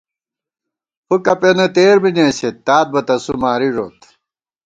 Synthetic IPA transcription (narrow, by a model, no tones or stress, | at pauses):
hukɐpenɐt̪eːɾminẽːɕet̪ːaːt̪̚bɐt̪ɐsumaːɾiʐoːt̪